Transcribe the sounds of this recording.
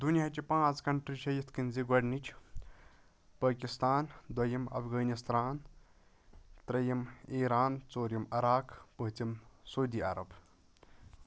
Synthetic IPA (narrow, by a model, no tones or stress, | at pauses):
d̪unjat͡ʃipãːt͡skɐɳʈɾit͡ʃʰɐjit̪ʰkinziɡwɐɖnit͡ʃʰ | pɐːkist̪aːnd̪wɐjɐmɐ̰bʰɡɐːnist̪ɾaːn | t̪ɾɐjɐmiːɾaːnt͡soːɾjɐmɐɾaːkpɐɦt͡simsowd̪iːa̰ɾɐb